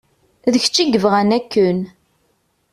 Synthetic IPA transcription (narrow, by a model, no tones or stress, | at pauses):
ðəç̥t͡ʃːiɡəvʁænækːən